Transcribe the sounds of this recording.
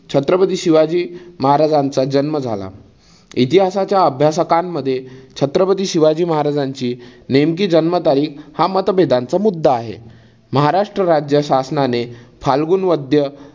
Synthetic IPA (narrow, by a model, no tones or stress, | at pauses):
t͡ɕʰət̪ɾəpət̪iːɕiʋad͡ʑiːməɦaɾad͡zant͡sad͡ʑənməd͡zʱa̰la̰ | it̪iɦasat͡ɕjaəbʱjasəkanːəd̪ʱːjet͡ɕʰət̪ɾəpət̪iːɕiʋad͡ʑiːməɦaɾad͡zaɲt͡ɕiːnemkiːd͡ʑənmət̪aɾiːkhamət̪bʱed̪ant͡səmud̪ʱːaːɦḛ | məɦaɾaʂʈɾəɾad͡ʑjəɕasnanefʰalɡuːnʋəd̪ʱjə